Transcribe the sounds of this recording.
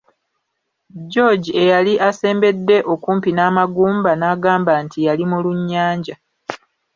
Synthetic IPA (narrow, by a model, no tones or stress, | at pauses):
ɟo̞ɟie̞jaliʔase̞ːmbe̞dːe̞ʔo̞kuːmpinaːmaɡuːmbanaːɡaːmbaːntijalimuluɲːaːɲɟa